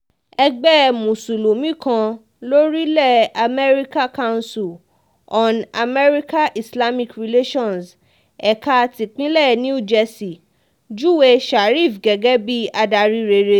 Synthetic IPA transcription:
ɛ˧ɡ͡bɛ˦mũ˨su˨lo˨mĩ˦kã˧ | lo˦ɾi˦lɛ˦˨a˨mɛ˦ɾi˦ka˦kã˦˧˦si˨l | ɔ̃˨na˨mɛ˦ɾi˦ka˦ʔi˨sla˦mĩ˧kɾi˨le˦ʃɔ̃˦˨ns | ɛ˨ka˧ti˨k͡pĩ˦lɛ˦˨nĩ˦u˦˨d͡ʒɛ˧si˨ | d͡ʒu˦we˦ʃa˨ɾi˦˨fɡɛ˨ɡɛ˦bi˦a˧da˧ɾi˧ɾe˧˨ɾe˧˦

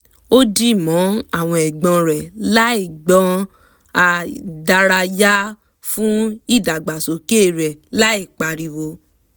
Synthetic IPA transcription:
o˦di˦˨mɔ̃˨˦a˦˨w̃ɔ̃˧ɛ˨ɡ͡bɔ̃˧ɾɛ˨la˦i˦˨ɡ͡bɔ̃˧ | a˧da˧ɾa˧ja˦ | fũ˦i˦˨da˨ɡ͡ba˨so˨˦ke˦˨ɾɛ˨la˦i˦˨k͡pa˨ɾi˨wo˧

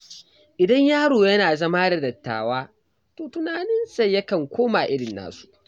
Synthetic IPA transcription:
ʔɪ˨dɐ˦ɲjaː˦ɽoː˨jɐ˦naː˨zɐ˦ma˦dɐ˨dɐ˨tːa̰ː˨waː˦ | toː˨tʊ˦naː˨nɪ˦nsɐ˦jjɐ˦kɐ˨ŋkʷʰoː˦maː˨ʔɪ˦ɽɪ˨nːa̰ː˦su̥˦˨ʔ

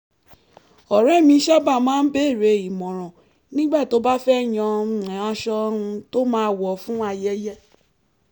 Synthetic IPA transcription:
ɔ˨ɾ̃ɛ̃˨˦˨mĩ˧˦ʃa˦ba˦˨mãː˦n̩˦be˦˨ɾe˨˧i˨mɔ̃˨ɾ̃ɔ̃˨ | nĩ˦ɡ͡ba˦˨to˦ba˦fɛ˦˨j̃ɔ̃˧˦˧ɛ̃˨a˧ʃɔ˧ũ˧to˦mãː˦˧wɔ˨fũ˦a˧jɛ˦jɛ˦

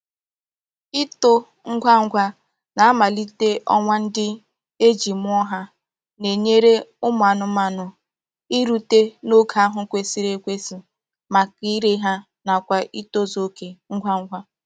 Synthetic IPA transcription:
i˦to˦ | ŋ̩˦ɡʷa˦ŋ̩˦ɡʷa˦ | na˨a˦ma˨li˦te˦ʔɔ̰˦ŋʷa˦n̩˦dɪ˦ | e˦d͡ʒi˨mʊ˦ɔ˦ɦa˦ | ne˨ɲe˦ɾe˦ʊ˦mʊ˨a˨nʊ˦ma˨nʊ˨ | i˦ɾu˦te˦no˦kʰa˦ɦʊ˦kʷe˨si˦ɾe˦kʷe˦si˨ | ma˨ki˦ɾe˦ɦa˦ | na˨kʷa˨ʔi˦to˦zo˦ke˨ŋ̩˦ɡʷa˦ŋ̩˦ɡʷa˦

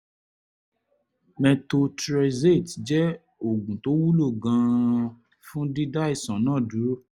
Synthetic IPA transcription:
mɛ̃˧to˧tɾɛ˧ze˦˨td͡ʒɛ˦ | o˨ɡũ˨to˨˦wu˦lo˦˨ɡã˧ | fũ˦di˦da˦i˦˨sã˨nãː˦˨du˨˦

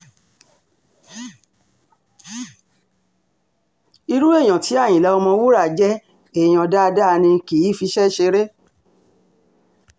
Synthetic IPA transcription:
i˧ɾu˦ẽ˦˨ã˨tʰi˨˦a˦˨j̃ĩ˨la˨˦ɔ˧mɔ̃˧wo˦ɾa˦˨d͡ʒɛ˦ | e˨j̃ã˨da˦˧da˦˧nĩ˧ki˨i˦fi˧˦ʃɛ˦ʃe˧ɾe˦

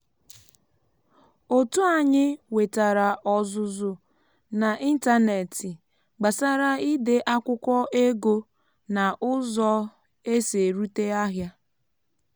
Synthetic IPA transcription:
o˨tu˦a˨ɲɪ˦we˨ta˨ɾa˨ʔɔ˦zʊ˦zʊ˦ | na˨ʔi˦n̩˦ta˦ne˨tɪ˨ | ɡ͡ba˨sa˦ɾa˦i˦dɪ˨ʔa˦kʷʊ˦kʷɔ˦ʔe˦ɡo˦ | na˨ʔʊ˦zɔ˦ | e˦se˨ɾu˦te˦a˦ɦja˦

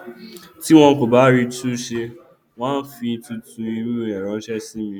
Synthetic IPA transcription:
ti˦w̃ɔ̃˧˦ko˨ba˨˦ɾi˧tu˦ʃe˧ | w̃ãː˦n̩˦fĩ˧tũ˦tũ˧i˧ɾu˦ɛ˨ɾɔ̃˨˦ʃɛ˦si˦mĩ˧

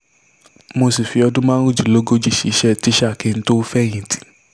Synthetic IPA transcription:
mo˧si˨fi˧ɔ˧dũ˦mã˦ɾũ˦˨d͡ʒi˨lo˦ɡo˦d͡ʒi˦˨ʃi˨˧˦ʃɛ˦˨ti˨˦ʃkẽ˧nĩ˦to˦fɛ˦˨j̃ĩ˨ti̥˨˦

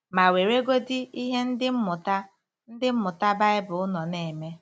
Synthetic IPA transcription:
ma˨we˨ɾe˦ɡo˦dɪ˦i˦ɦe˦n̩˦dɪ˦m̩˦mʊ˨ta˦ | n̩˦dɪ˦m̩˦mʊ˨ta˦ba˦ɪ˦bʊ˨ʊ˦nɔ˨ne˨me˦

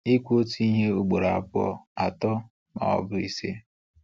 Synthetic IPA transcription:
i˦kʷo˦tu˦i˦ɦe˦u˨ɡ͡bo˨ɾa˨a˨pʊ˦ɔ̰˦a˨tɔ˦ | ma̰˨ɔ̰˦bʊ˦i˦se˦

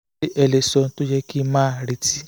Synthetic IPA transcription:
ʔe˨le˨˧sɔ˨˧˦to˦jɛ˦ki˦mãː˦˨ɾi˧˦ti˦

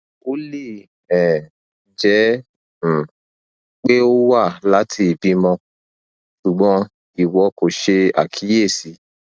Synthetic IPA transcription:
o˦li˦˨ | ɛ˨ | d͡ʒɛ˨˦˨ | k͡pe˦o˦wa˦˨la˨˦tʰi˧˨bi˧mɔ̃˧ | ʃu˨ɡ͡bɔ̃˧˦ | i˨wɔ˧ko˨ʃe˧a̰˨kʰi˨˦je˦˨si˨˧˦

